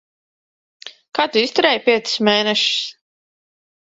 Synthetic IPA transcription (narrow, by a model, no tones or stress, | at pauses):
kaːt̪uist̪uɾɛjpʲiɛt̪sɨ̥smeːnɛʃi̥s